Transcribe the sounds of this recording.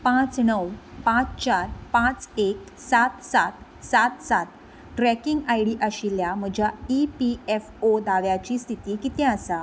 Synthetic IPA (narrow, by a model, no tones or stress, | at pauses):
pãt͡snəwpãt͡st͡ɕaɾpãt͡sek̚ | sat̪sat̪ | sat̪sat̪̚ | ʈɾɛkiŋɡajɽiʔaɕiljam̤əɡd͡ʑʱjaipiefod̪aʋjat͡ɕiːst̪ʰit̪iːkit̪ɛ̃əsa